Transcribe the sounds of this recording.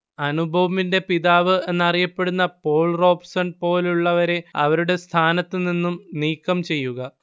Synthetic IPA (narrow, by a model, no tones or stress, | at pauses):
ɐnubʱɐʋɐminde̞piðaːʋɨe̞nːɐrijɐpːe̞ɽunːɐpo̞ːɭro̞ːbsɐɳpo̞ːluɭːɐʋɐɾe̞ɐ̰ʋɐɾuɽe̞st̪ʰaːnɐt̪ːɨninːumniːkːɐmt͡ɕe̞jːuɣɐ